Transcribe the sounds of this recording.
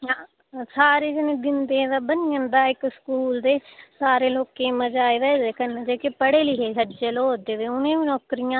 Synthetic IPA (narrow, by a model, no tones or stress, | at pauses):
a | saːɾeːd͡ʒɪnẽːd̪ɪnd̪eːd̪aːbənijə̃nd̪aːɪkskuːld̪eːsaːɾeːloːkeːməd͡ʒaːeːʋɛːd͡ʒeːkənẽd͡ʒeːkepəɽeːlɪːɦeːɦəd͡ʒeːloːɦoːd̪eːd̪eːʊnẽːʋiːnɔːkɾɪjãː